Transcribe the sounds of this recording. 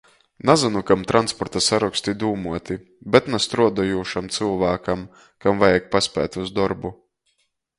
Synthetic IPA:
nazanukamt̪ɾanspɔɾt̪asaɾukst̪id̪uːmuɔt̪i | bɛt̪nast̪ɾuɔd̪ɔjuːʃamt̪sɨlˠvæːkam | kamvajɛk̚pasʲpʲæ̰ːt̪ʲuzd̪ɔɾbu

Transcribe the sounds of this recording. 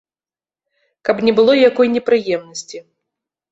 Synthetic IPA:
kɐpnʲɛbɨlˠɔjjakɔjnʲɛpɾɨjɛmnɐsʲt͡sʲi

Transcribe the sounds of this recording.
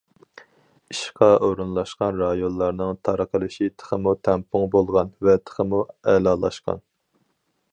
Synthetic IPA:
iʃqʰɑʔoɾunlˠɑʃqɑnɾɑjonlˠɑɾnɨŋt̪ʰɑɾəqʰəlˠɨʃit̪ʰə̥χəmut̪ʰɛmpʰʊŋbolˠʁɑnvɛt̪ʰə̥χəmuɛlɑlˠɑ̰ʃqɑ̰n

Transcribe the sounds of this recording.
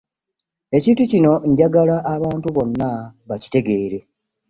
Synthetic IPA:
e̞ciːtucino̞ɲɟaɡalaʔːβaːntuβo̞nːaβaci̥te̞ɡe̞ːɾe̞

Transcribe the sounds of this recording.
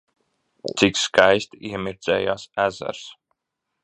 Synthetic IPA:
t̪sikskajst̪iɛmiɾd̪zɛːjaːsæzæ̰ɾs

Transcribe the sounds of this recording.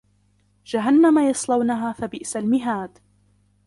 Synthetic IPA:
d͡ʒaɦanːamajɑsˤlɑwnaɦaːθabɪʔsalmɪɦaːd̪

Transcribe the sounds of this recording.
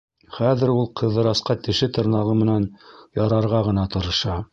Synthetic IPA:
χæðɘ̆ɾulˠqʰɤ̆ðːɤ̆ɾɑsqɑt̪ɘ̆ʃɘt̪ɤ̆ɾnɑʁɤmɘ̆nænjɑɾɑɾʁɑʁɤ̆nɑt̪ŏɾɤ̆ʃɑ

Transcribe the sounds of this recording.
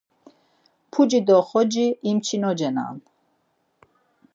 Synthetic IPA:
pʰud͡ʒid̪ɔχɔd͡ʒiːmt͡ʃʰinɔd͡ʒɛna̰n

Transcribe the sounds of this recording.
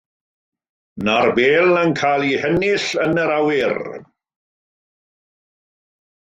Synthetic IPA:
narbeːlˠənkʰaːlˠihɛnɪɬənəɾawɪr

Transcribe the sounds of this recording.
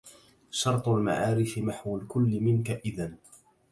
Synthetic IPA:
ʃɑɾˤt̪ˤʊlma̰ʕaːɾɪfɪmaħwalkʊlːɪmɪnkaʔɪðan

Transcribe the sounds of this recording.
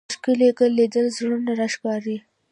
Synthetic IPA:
ʃkɪlekəlːed̪əlzɾunaɾaʃkɑɾi

